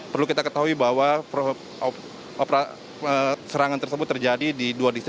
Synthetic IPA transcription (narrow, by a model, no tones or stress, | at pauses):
pərlukit̪akət̪aɦuibaɦwa | ʔopɾa | əsəɾaŋant̪ərsəbʊt̪ːərd͡ʒadididuadist̪